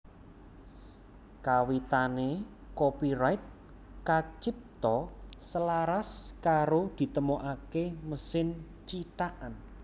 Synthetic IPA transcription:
kawit̪ane | kopiɾajt̪̚ | kat͡ʃip̚t̪ɔsəlaɾaskaɾod̪̥i̤t̪əmoʔakeməsɪn | t͡ʃit̪aʔan

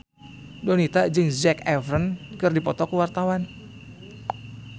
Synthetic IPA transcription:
dɔnit̪ad͡ʒɨŋzɛkɛvɾənkɨrdipɔt̪ɔkuwart̪awan

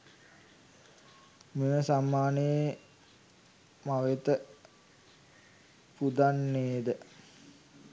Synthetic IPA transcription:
meməsamːaːnəe | maʋet̪ə | pud̪anːeːd̪ə

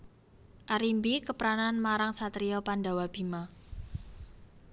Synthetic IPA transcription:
ʔaɾimbikəpəɾananmaɾaŋsat̪ɾiɔpandawab̥ima

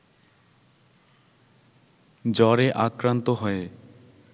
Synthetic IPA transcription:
d͡ʑɔɾeʔakɾant̪oɦɔe

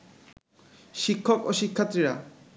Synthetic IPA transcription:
ʃikʰːɔkoʃikʰːat̪ːɾiɾa̰

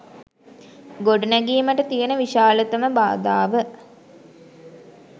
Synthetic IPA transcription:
ɡoɖunæɡiːməʈət̪ijenəʋiʃaːlət̪əməba̰ːd̪aːʋə

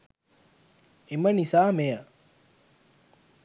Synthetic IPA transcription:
emɐnisaːmejə

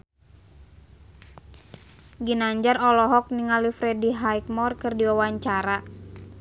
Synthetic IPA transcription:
ɡinaɲd͡ʒarɔlɔɦɔk̚niŋalifɾɛdiɦajk̚mɔrkɨrdiwawaɲt͡ʃaɾa

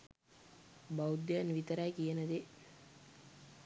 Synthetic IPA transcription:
bɐud̪ːjanʋit̪əɾajkijənəd̪e

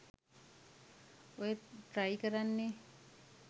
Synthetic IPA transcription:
ojeʈɾajkəɾanːe

